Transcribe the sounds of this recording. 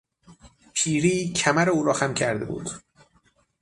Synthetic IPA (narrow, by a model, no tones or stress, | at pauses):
pʰiːɾiːcʰæmæɾeuːɾɒːxæmcʰæɾd̪ḛbṵːd̪̥